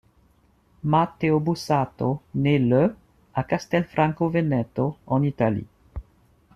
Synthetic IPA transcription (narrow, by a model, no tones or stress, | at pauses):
mat̪eobusat̪onelø | akast̪ɛlfɾãŋkovenɛt̪oɔnit̪alḭ